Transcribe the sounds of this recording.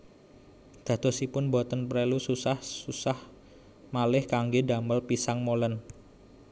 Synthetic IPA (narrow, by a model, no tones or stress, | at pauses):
d̪̥ä̤d̪̥ɔ̤sipʊnbɔt̪ənpɾelususahsusah | malɪhkaŋɡeda̤məlpisaŋmolən